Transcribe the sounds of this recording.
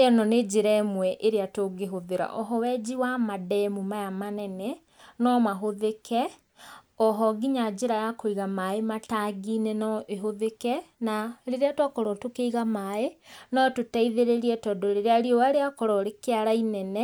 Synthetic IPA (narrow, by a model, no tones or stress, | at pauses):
eɔnɔned͡ʑeɾaemwɛʔeɾeatoɡeɦoðeɾa̰ʔɔɦɔwɛd͡ʑiwamadɛmumajamanɛnɛ | nɔmaɦoðekʰɛ | ɔɦɔɡiɲad͡ʑeɾajakoiɣamaemataɡinɛnɔʔeɦoðekɛnaɾeɾeatwakɔɾɔtokeiɣamaenɔtotaiðeɾeɾiɛtɔdɔɾeɾeaɾiɔwaɾeakɔɾɔɾekeaɾainɛnɛ